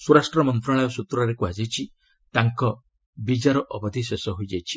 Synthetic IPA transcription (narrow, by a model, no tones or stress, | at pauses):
suɾasʈɾɔmɔnt̪ɾaɭajɔsut̪ɾɔɾekuad͡ʒejt͡ʃʰi | t̪aŋkɔ | bid͡ʒaɾɔʔɔbɔd̪ʱisesɔɦojd͡ʒajt͡ʃʰi̥